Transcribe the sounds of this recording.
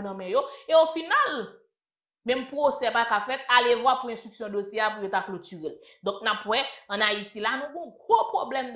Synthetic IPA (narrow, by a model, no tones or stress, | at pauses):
nɐ̃mɛ̃joeofinal | mɛ̃mpʁosɛpakafɛt̪̚alevwapuɛ̃st̪ʁyksjɔ̃d̪osjeapujot̪aklotyʁel | d̪ɔ̃k̚napwɛɐ̃naitilanũɡɔ̃ɡʁopʁoblɛm